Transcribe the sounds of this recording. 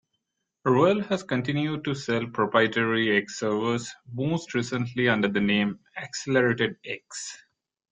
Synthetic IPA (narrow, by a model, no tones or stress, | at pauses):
ɾolhæzkə̃ɳʈɪ̃njuɖ̚ʈusɛlpɾɔpɾaɪʈəɾieksːəɾʋəsmoːsʈɾisə̃nʈliʌ̃ɳɖəɾd̪ənẽːm | ækseləɾeːʈeɖ̚eks